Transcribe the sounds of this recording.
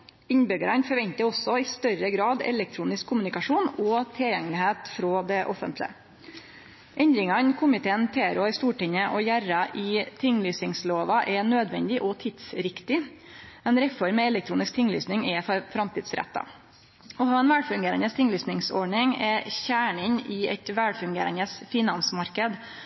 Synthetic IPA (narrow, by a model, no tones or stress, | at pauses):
ɪɲbʏɡəɾɑnfɔɾʋɛnt̪əɾɔsɔɪst̪œɾəɡɾɑːd̪ɛ̰lɛk̚t̪ʰɾuːnɪskʰːʊmʉnɪkɑʂuːnɔːt̪ʰɪljɛŋːlɪɦeːt̪fɾoːd̪ɛʔɔfənt̪lɪ̰ə̰ | ʔɛnd̪ɾɪŋɑnkʰʊmɪt̪ʰeːənt̪ʰeːæɾoːɪst̪uːʈɪɲːəʔɔjæɾɑʔɪt̪ʰɪŋːlyːsɪŋsloːʋɑʔɛnøːd̪ʋɛ̰nd̪ɪʔɔt̪ʰɪd̪sɾɪkt̪ɪ | ɛnɾɛfɔɾmːɛɛlɛk̚t̪ʰɾuːnɪsk̚t̪ʰɪŋːly̰ːsnɪŋɛfɾɑmt̪iːd̪sɾɛ̰t̪ːɑ̰ | ɔɦɑːʋɛnʋæːɽfʉŋɡeːɾə̰nəst̪ʰɪŋːlyːsnɪŋsɔɖɳɪŋɛçæːɳɪnɪɛ̰t̪ʋæɽfʉŋɡḛːɾənəsfɪnɑnsmɑɾkəd̪